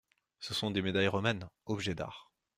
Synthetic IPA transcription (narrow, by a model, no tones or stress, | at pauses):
səsɔ̃d̪emed̪ajʁɔmɛnɔbʒɛd̪a̰ːʁ